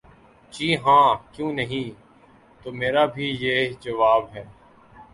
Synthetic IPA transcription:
t͡ʃiːɦãːkjũːnəɦĩː | t̪oːmeːɾaːbʱiːjeːd͡ʒəʋaːbɦɛː

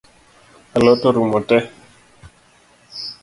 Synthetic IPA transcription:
alotoɾumotɛ

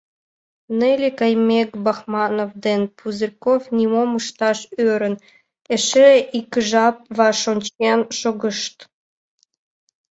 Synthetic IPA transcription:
nelʲekɑjmʲekbɑxmɑnovd̪enpʰuzirkofnʲimomuʃt̪ɑʃøɾə̆n | eʃeikəʒɑp̚βɑʃonʲt͡ɕenʃoɣə̆ʃt̪

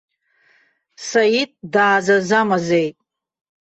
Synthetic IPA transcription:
sajitʼdaːzazamazejtʼ

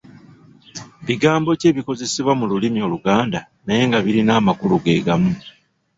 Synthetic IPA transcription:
βiɡaːmbo̞ce̞ːβiko̞ze̞siβwamululimio̞ːluɡaːnda | naje̞ːŋɡaβiɾinaːmakuluɡe̞̰ːɡamu

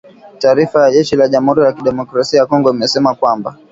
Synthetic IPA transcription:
taːɾifajaʄɛʃilaʄam̩huɾijakiɗɛmɔkɾasiajakɔŋɡɔimɛsɛmakwamba

